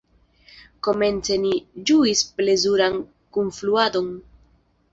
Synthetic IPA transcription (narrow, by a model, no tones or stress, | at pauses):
ko̞me̞nt͡se̞nid͡ʒuisple̞zuɾan | kunfluado̞n